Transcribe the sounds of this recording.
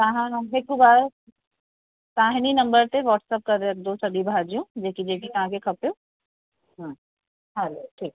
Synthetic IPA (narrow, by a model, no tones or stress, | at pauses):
t̪aɦãnɐ̃ɦekubaːɾ | t̪aːɦɪninɐ̃mbəɾt̪eʋɔːʈsəp̚kɐɾd̪eɐk̚d̪õsɐɖibʱad͡ʒijũd͡ʒeːkid͡ʒeːkik̪ɐɦãkekʰɐpjoː | ɦã | ɦaloʈʰiːk̚